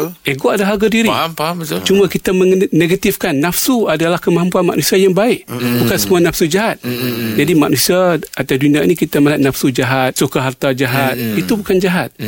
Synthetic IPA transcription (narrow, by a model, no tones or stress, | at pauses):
eɡoʔadaɦaɡadiɾi | t͡ʃumakit̪aməneɡat̪ifkanːafsuadalahkəmaɦampuanma̰ʔnusiajaŋbaɪʔbukansəmuanafsud͡ʒaɦat̪̚d͡ʒadimaʔnusiaat̪aduniaʔnikit̪aməlaʔ̚nafsud͡ʒaɦat̪̚sukaɦart̪ad͡ʒaɦat̪̚it̪ubukand͡ʒaɦat̪̚